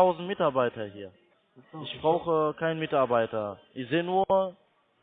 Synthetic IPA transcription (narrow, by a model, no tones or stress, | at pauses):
aʊzn̩tmɪtaːɐbaɪtɐhiːɐ | ɪçb̥ʁaʊxəkʰaɪnmɪtaɐbaɪtɐʔɪçz̥eːənuːɐ